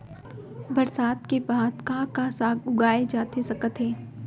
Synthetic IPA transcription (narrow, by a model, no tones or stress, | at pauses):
bɐɾsaːt̪kebaːd̪kãːkasaːɡʊɡaːed͡ʒaːt̪esɐkət̪ɦɛː